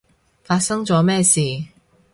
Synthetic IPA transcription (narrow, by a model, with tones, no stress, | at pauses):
faː˧t̚sɐ˥ŋt͡sɔː˨˥mɛː˥˧siː˨